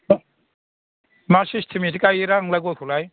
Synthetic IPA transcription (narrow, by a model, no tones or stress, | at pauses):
masistʰimitʰikajiɾaŋlajɡɔjkʰulaj